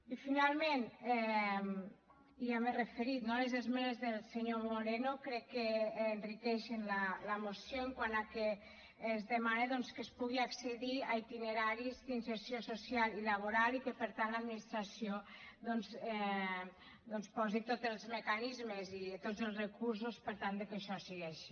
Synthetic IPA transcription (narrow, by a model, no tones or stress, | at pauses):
ifinalˠmẽnɛ | iamerefeɾit̪nolezezmɛnezðelˠseɲomoɾenokɾɛkːeːnrikɛʃenlalamosjoeŋkwanakeː | zðemaneðɔnskespuɣiakseðiait̪ineɾaɾizd̪inseɾsjososjalilaβ̞oɾalikepəɾt̪antlad̪minist̪ɾasjoðɔnzɛ | d̪ɔnspɔzit̪ot̪elˠzmekanizmezit̪od͡zəlˠzrekuɾs̬uspəɾt̪and̪ekeʃɔsiɣɛʃi̥